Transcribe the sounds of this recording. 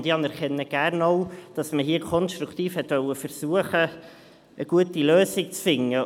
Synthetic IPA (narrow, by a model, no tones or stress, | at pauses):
nd̥iɑnɛɾkʰɛnːəɡ̥æɾnɔʊd̥ɑsməɦiəkʰɔnʃtɾukt̪iːfhɛtʋœwəfəɾsuəχə | əɡ̥uətiløːsɪk̚t͡sfɪŋːə